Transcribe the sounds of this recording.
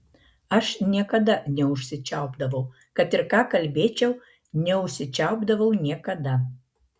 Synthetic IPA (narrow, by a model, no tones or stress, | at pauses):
ɐʃnʲiɛkɐd̪ɐnʲɛʊʃʲsʲɪt͡ʃʲæʊbd̪ɐʋɐʊ | kɐt̪ɪɾkɑːkɐlʲbʲeːt͡ʃʲɛw | nʲɛʊʃʲsʲɪt͡ʃʲæʊbd̪ɐʋɐʊnʲiɛkɐd̪ɐ